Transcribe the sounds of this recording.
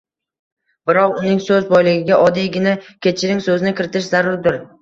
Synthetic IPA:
bɪɾɒqʊnɪŋsɵzbɒjlɪɡʲɪɡʲaʔɒd̪iɡʲɪnakʲʰet͡ʃʰɪɾɪŋsɵzɪnɪkʲɪɾɪt̪ʰɪʃzaɾʊɾd̪ʊɾ

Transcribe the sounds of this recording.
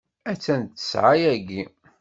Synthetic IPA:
æt͡sːænt͡sːə̥sʕajæɡi

